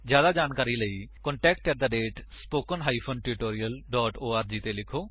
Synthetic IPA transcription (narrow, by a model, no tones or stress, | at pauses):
d͡ʒjaːd̪aːd͡ʒaːnkaːɾiːləiːkɔɳʈɛːk̚ʈkəɾt̪aɖeːʈspoːkənɦaːipʰoːnʈɪɾɪʈoːɾijəlɖɔːʈoːaːɾd͡ʒiːt̪eːlɪkʰoː